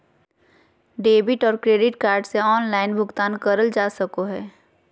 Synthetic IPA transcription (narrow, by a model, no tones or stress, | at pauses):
ɖeːbɪʈɔːɾkɾeːɖɪʈkaːɾɖseɔːnlaːɪnbʱʊɡt̪aːnkəɾəld͡ʒaːsəkoɦɛː